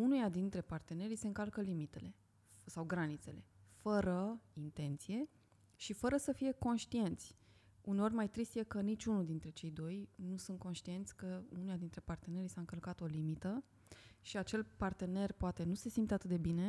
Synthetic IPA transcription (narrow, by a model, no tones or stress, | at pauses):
unujad̪int̪ɾe̞part̪e̞ne̞ɾise̞ɨŋkalkəlimit̪e̞le̞ | sawɡɾanit̪se̞le̞fəɾəint̪e̞nt̪sije̞ | ʃifəɾəsəfije̞ko̞nʃt̪ie̞nt̪sʲ | uneo̞rʲmajt̪ɾist̪je̞kənit͡ʃʲunuld̪int̪ɾe̞t͡ʃe̞jd̪o̞jnusunt̪̚ko̞nʃt̪ie̞nt̪sʲkəunujad̪int̪ɾe̞part̪e̞ne̞ɾisaɨŋkəlkat̪o̞limit̪ə | ʃiat͡ʃe̞lpart̪e̞ne̞rpoat̪e̞nuse̞simpt̪eat̪ɨt̪̚d̪e̞bine̞